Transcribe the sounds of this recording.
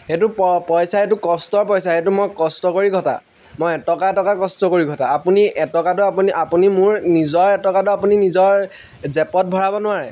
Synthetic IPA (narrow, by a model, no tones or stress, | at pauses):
hetupɔpɔjsaet̬ukɔstɔɹpɔjsahetumɔjkɔstɔkoɹiɡʱɔta̰ | mojɛtɔkatɔkakɔstɔkoɹiɡʱɔtaːpuniɛtɔkadʊapuniʔapunimʊɹnizɔɹɛtɔkadʊapuninizɔɹ | zɛpɔt̚bʱɔɹabɔnʊaɹɛ̰